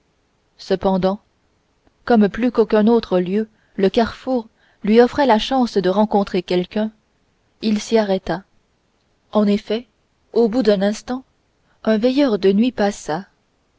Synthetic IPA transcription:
səpɑ̃d̪ɑ̃ | kɔmplykokœ̃not̪χəljø | ləkaʁfuʁ | lɥiɔfχɛlaʃɑ̃sd̪əʁɑ̃kɔ̃t̪χekʲɛlkʲœ̃ | ilsiaʁɛt̪a | ɑ̃nefɛ | obud̪ɛ̃nɛ̃st̪ɑ̃ | œ̃vjɛjœʁd̪ənɥipasa

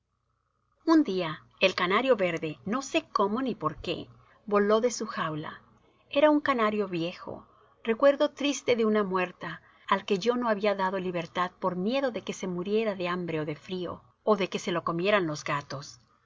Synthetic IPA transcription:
und̪ia | elkanaɾjo̞βe̞ɾðe̞no̞se̞ko̞mo̞nipo̞ɾke̞̰ | βo̞lo̞ðe̞suxawla̰ | e̞ɾauŋkanaɾjo̞βje̞xo̞̰ | re̞kwe̞ɾðo̞t̪ɾist̪e̞ðe̞unamwe̞ɾt̪aː | lke̞ʝo̞no̞aβiaðaðo̞liβe̞ɾt̪aðpo̞ɾmje̞ðo̞ðe̞ke̞se̞muɾje̞ɾaðe̞ambɾe̞oðe̞fɾio̞̰ | oðe̞ke̞se̞lo̞ko̞mje̞ɾanlo̞zɣat̪o̞s

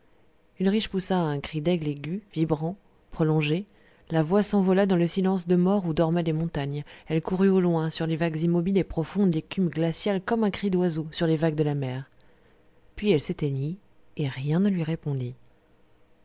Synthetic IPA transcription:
ynʁiʃpusaɛ̃kχid̪ɛɡleɡʲyvibʁɑ̃ | pχɔlɔ̃ʒe | lavwasɑ̃vɔlad̪ɑ̃ləsilɑ̃sd̪əmɔʁud̪ɔʁmɛlemɔ̃t̪aɲɛlkuʁyolwɛ̃syʁlevaɡzimɔbilepχɔfɔ̃d̪ekʲymɡlasjalkɔmɛ̃kχid̪wazosyʁlevaɡd̪əlamɛʁ | pɥiɛlset̪eɲi | eʁjɛ̃nəlɥiʁepɔ̃d̪i

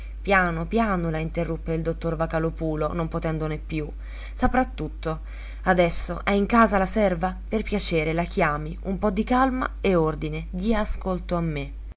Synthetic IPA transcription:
pjaːnopjaːnolaint̪erːupːeild̪ot̪ːorvakalopuːlonompot̪ɛnd̪onepːju | sapɾat̪ːut̪ːo | ad̪ɛsːoʔɛiŋkaːzalasɛrvaperpjat͡ʃeːɾelak̟jaːmiumpɔd̪ːikalma̰eord̪ined̪iaːskolt̪oamːe

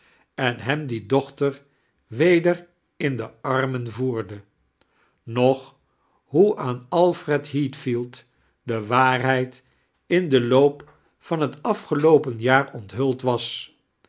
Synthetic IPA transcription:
ɛnɦɛmdidɔχtəɹ | ʋejdər | ɪndəɑɹmənvuːɹdə | nɔχ | ɦuʔaːnɑlˠfrɛtɦitfilˠt | dəʋaːrɦɛjt | ɪndəlowp | fɑnɦətɑfχəlowpənjaːrɔntɦɵlˠtʋɑs

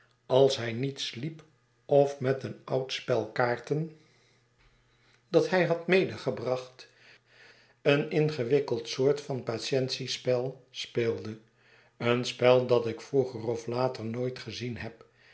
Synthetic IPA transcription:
ɑlˠsɦɛjnitslip | ɔfmɛtənʌwtspɛlˠkaːɹtən | d̥ɑtɦɛjɦɑtmejdəχəbrɑχt | ənɪnχəʋɪkəlˠtsʊːɹtfɑnpaʃɛntsispɛlˠspɪːlˠdə | ənspɛlˠdɑtɪkfruχərɔflaːtəɹnoːjtχəzinɦɛp

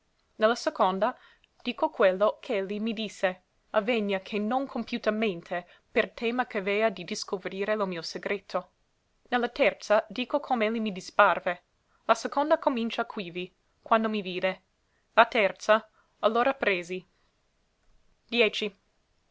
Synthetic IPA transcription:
nelːasekond̪a | d̪̥iːkokwelːokʰeelːimid̪isːe | aveɲːakʰenoŋkʰompjut̪ament̪ʰe | pert̪ʰɛːmakevɛːad̪id̪iskovɾiːɾelomiːoseɡɾet̪ʰo | nelːat̪ɛrt̪sad̪iːkokʰoːmeelːimid̪isparve | lasekond̪akomint͡ʃakʰwivi | kwand̪omiviːd̪e | lat̪ɛrt̪sa | alːoːɾapɾeːzi | d̪̥jɛːt͡ʃi

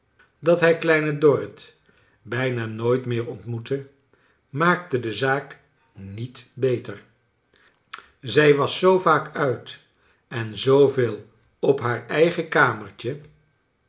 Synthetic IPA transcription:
dɑtɦɛaklɛjnədɔɹɪt | bɛjnaːnoːjtmɪːɹɔntmutə | maːktədəzaːk | nitbejtəɹ | zɛjʋɑsːowvaːkœɥt | ɛnzowveːlˠ | ɔpɦaːɹɛjχəkaːməɹt͡ʃə

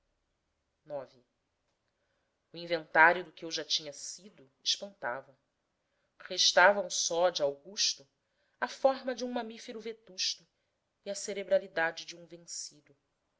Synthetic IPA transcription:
nɔvi | ʊĩvẽnt̪aɾjʊd̪ʊkɪewʒat͡ʃĩɲɐsid̪ʊ | ɪʃpɐ̃nt̪a̰vɐ | χeʃt̪avɐ̃w̃sɔd͡ʒɪawɡuʃt̪ʊ | ɐfɔɦmɐd͡ʒɪũmɐ̃mifeɾʊvet̪uʃt̪ʊ | iɐseɾebɾalid̪ad͡ʒɪd͡ʒiũvẽŋsid̪ʊ

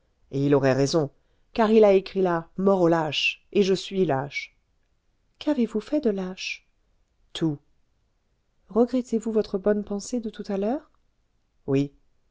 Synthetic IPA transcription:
eilɔʁɛʁezɔ̃ | kaʁilaekχilamɔʁolaʃeʒəsɥilaʃ | kavevufɛd̪əlaʃ | t̪ʰu | ʁəɡʁɛt̪evuvɔt̪χəbɔnpɑ̃sed̪ət̪ut̪alœːʁ | wi

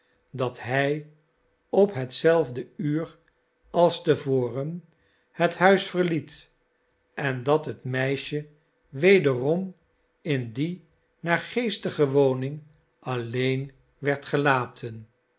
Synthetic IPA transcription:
dɑtɦɛj | ɔpɦətsɛlˠvdəyːɹ | ɑlˠstəvoːrən | həthœɥsfəɹlit | ʔɛndɑtɦətmɛjʃə | ʋejdərɔm | ɪndi | naːɹχejstəχəʋownɪŋ | ʔɑlejn | ʋɛɹtχəlaːtʰən

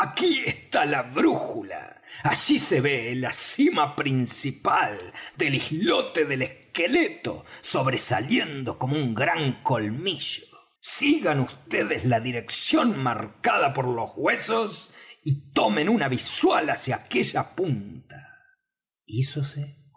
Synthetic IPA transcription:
akiest̪alaβɾuxula̰aʒise̞βelasimapɾinsipald̪e̞lihlot̪eðelehkelet̪o̞̰so̞βɾesa̰ljend̪o̞komouŋɡɾaŋko̞lmiʒ̥o̥ | siɣanust̪eðezlaðiɾe̞ksjonmaɾkaðapoɾlo̞zɣwesosit̪omẽ̞nunaβiswalasjaːkeʒapunt̪a | isose

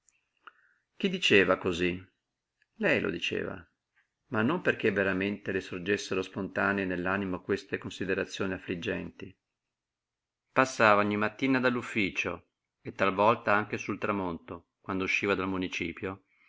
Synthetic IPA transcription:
k̟id̪ːit͡ʃeːvakozi | lɛjlʔo̰d̪it͡ʃḛːva̰ | manːomperkevːeɾament̪elesord͡ʒesːeɾospont̪aːneːnelːanimokwest̪ekonsid̪eɾat̪sːjoːniafːlid͡ʒːɛ̰nt̪i | pasːaːvaɔɲːimat̪ːiːnad̪alːufːiːt͡ʃo | et̪ːalvɔlt̪aaŋk̟esult̪ɾamont̪o | kwand̪ouʃːiːvad̪almunit͡ʃiːpjo

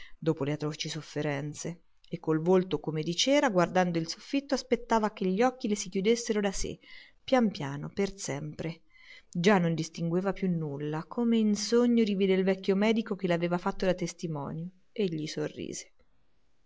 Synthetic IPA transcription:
d̪oːpoleat̪ɾɔt͡ʃisofːeɾɛnt̪se | ekːolvolt̪okomed̪it͡ʃɛːɾaɡward̪and̪oilsofːit̪ːoaspet̪ːaːvakeʎːiɔkːilesikjud̪esːeɾod̪asḛ | pːjampjaːnopersɛmpɾe | d͡ʒanːond̪ist̪iŋɡweːvapjunːulːakʰomeinsoɲːod̪iviːd̪elvɛkʲːjomɛːd̪ikok̟elaveːvafat̪ːod̪at̪ːest̪imɔ̰ːnjo | eʎːisorːḭːz̥e̥

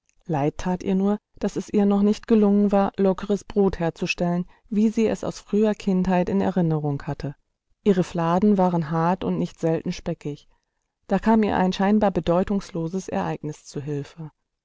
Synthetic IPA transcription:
laɪtʰːaːtʔiːɐnuːɐd̥asɛsʔiːɐnɔχnɪçtɡ̥əlʊŋənvaːɐlɔkəʁəsb̥ʁoːtheːɐt͡suʃtɛlən | viːziːɛ̰sa̰ʊsfʁ̥yːɐkʰɪnthaɪtɪnɛ̰ʁɪnəʁ̞ʊŋhatʰə | ʔiːʁ̞əflaːdn̩vaːʁənɦaɐtʊ̰ntnɪçtz̥ɛltn̩ʃpɛkɪç | d̥aːkʰaːmiːɐʔa̰ɪnʃaɪnbaːɐbədɔʏtʊŋsloːzəsɛ̰ɐʔaɪknɪst͡suːɦɪlfə

